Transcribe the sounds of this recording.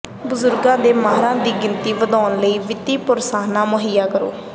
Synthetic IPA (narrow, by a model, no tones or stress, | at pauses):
bʊzʊɾɡãːd̪eːmaːɾãːd̪iːɡɪnt̪iːʋəd̪ɔːnləiːʋɪt̪iːpʊɾsaːnãːmʊɦɪjːaːkəɾo̰ː